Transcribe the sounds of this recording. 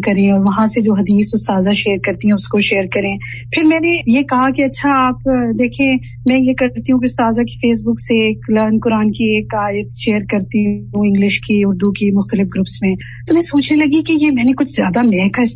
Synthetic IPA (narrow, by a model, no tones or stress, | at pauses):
kɐɾẽɔːɾʋɐɦãsed͡ʒoːɦɐd̪iːsʊst̪aːzaʃeːəɾkɐɾt̪iɦɛ̃ʊskoʃeːəɾkɐɾẽː | pʰɪɾmɛ̃ːnejekɐɦakeɐtːʃʰaaːpd̪eːkʰẽː | mɛ̃jekɐɾt̪iɦũkeʊst̪aːzaki̥feːs̬bʊkseːklɐːnkʊɾaːnkieːkaːjət̪ʃeːəɾkɐɾt̪iɦoɪ̃ŋɡlɪʃkiʊɾd̪ukimʊxt̪əlɪfɡɾʊpsmẽː | t̪omɛ̃ːsoːt͡ʃʰnelɐɡikejemɛ̃ːnekʊt͡ʃʰzjaːd̪amɛːɦkaɪs